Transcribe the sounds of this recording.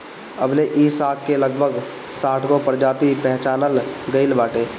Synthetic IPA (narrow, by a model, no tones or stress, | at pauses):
ə̰bleʔiːsaːkːeləɡ̚bʱəɡ | saːʈʰkopəɾd͡ʒaːt̪ipɛɦt͡ʃaːnəlɡəɪlbaːʈẽː